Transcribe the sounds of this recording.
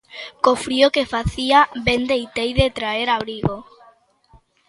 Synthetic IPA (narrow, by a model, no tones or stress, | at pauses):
kofɾiokefaθiabend̪ejt̪ejðet̪ɾaeɾaβɾiɣo